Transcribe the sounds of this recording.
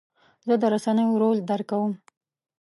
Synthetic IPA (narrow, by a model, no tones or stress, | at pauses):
zəd̪əɾasanəjoɾold̪aɾkawəm